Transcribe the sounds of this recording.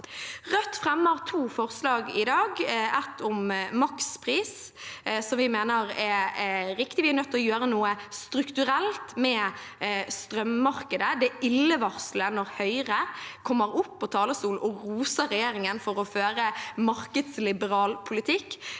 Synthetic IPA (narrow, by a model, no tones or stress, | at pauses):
ʁœt̪ːfʁɛmːəʁt̪ʰuːfɔʁslɑːɡɪd̪ɑːɡɛt̪ʰːʊmmɑkspʰʁiːs | sɔmʋɪmeːnəɾɛɾɪkt̪ɪʋɪɛnœt̪ːɔjøːɾənuːəst̪ɾʉkt̪ʉɾɛlt̪mɛ | st̪ʁœmmɑɾkəd̪əd̪ɛɪlːəʋɑʁslənɔʁhœʏʁəkʰɔmːəɾʊpːɔt̪ʰɑːləsuːlʔɔʁuːsəɾɛjeːɾɪŋənfɔɾɔføːɾəmɑɾkəd̪slɪbəɾɑːlpʰʊlɪt̪ʰɪkː